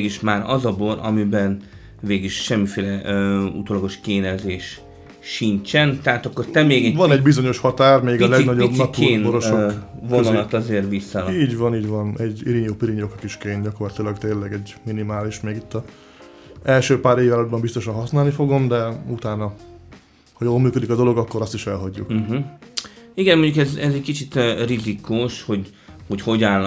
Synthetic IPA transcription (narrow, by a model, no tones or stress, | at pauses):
ɡiʃmaːɾɒ̰zɒbo̞ɾɒ̰mibɛn | veːɡiʃʃɛmːifeːlɛṵt̪oːlɒɡo̞ʃkeːnɛzeːʃː | int͡ʃɛnt̪ɛɦat̪ɒkːo̞rt̪ɛmeːɡɛvɒnɛɟbizo̞ɲo̞ʃhɒt̪aːrmeːɡɒlɛɡnɒɟobnɒt̪ueːnnboɾoʃovnɒlɒt̪ɒzeːrʋisːɒliːɟvɒniːɟvɒnɛɟːiɾiɲoːpiɾiɲokɒkiʃkeːnɟɒko̞rlɒt̪ilɒɡt̪eːnlɛɡɛɟminimaːliʃmeːɡit̪ːɒ | ɛlʃøːpaːɾeːvaːlɒd̪bɒmbist̪o̞ʃɒnɦɒsnaːlnifo̞ɡo̞md̪ɛut̪aːnɒ | hɒjoːlmyːkød̪ikɒd̪o̞lo̞ɡɒkːo̞ɾɒst̪iʃɛlɦɒɟːṵkɦ̩ | iɡɛnmoɲɟukɛzɛzɛckit͡ʃit̪ːrizikuʃho̞ɟ | ho̞cho̞ɟaːlː